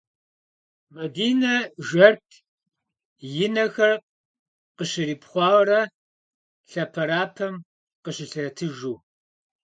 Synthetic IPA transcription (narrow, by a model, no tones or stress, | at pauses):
mɐdiːnɐʒɐrtʰ | jɪnɐxɐr | qəɕɪɾiːpχʷɑːwɾɐ | ɬɐpʰɐɾaːpʰɐm | qəɕɪɬɨɐtʰɨʒuː